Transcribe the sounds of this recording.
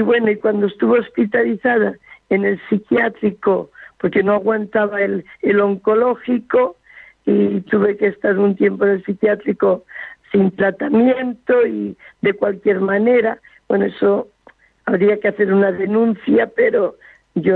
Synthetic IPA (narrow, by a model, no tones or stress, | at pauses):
iβwe̞noikwand̪oest̪uβo̞ospit̪aliθaðaene̞lsikjat̪ɾiko̞po̞ɾke̞noaɣwant̪aβaelelo̞ŋko̞lo̞xiko̞ | it̪uβe̞keːst̪aɾunt̪je̞mpoene̞lsikjat̪ɾiko̞sint̪ɾat̪amje̞nt̪o̞iðe̞kwalkje̞ɾmane̞ɾa | wenoeso | aβɾiakeaθe̞ɾunaðe̞nũn̟θjape̞ɾo̞ | ʝo